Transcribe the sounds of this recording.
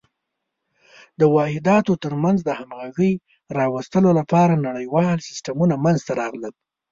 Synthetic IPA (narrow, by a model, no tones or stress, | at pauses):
d̪əwɑhɪd̪ɑt̪ot̪əɾmanzd̪əhamɣaʒəj | ɾɑwast̪əlolapɑɾanaɽəjwɑlsɪ̥stamunamanzt̪aɾɑɣləl